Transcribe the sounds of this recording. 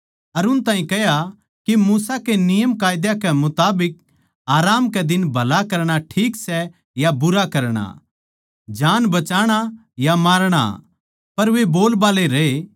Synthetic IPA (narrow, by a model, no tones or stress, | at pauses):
ɐɾʊnt̪ãːĩkɛɦja | kimuːsakenɪjəmkaːjd̪jakɛmʊt̪aːbɪk̚ | aːɾaːmkɛd̪ɪnbʱɐlakɐɾɽ̃aʈʰiːksɛ | jabʊɾakɐɾɽ̃a̰ | d͡ʒaːnbɐt͡ʃaːɽ̃a | jamaːɾɽ̃a̰ | pɐɾʋeboːlbaːleɾee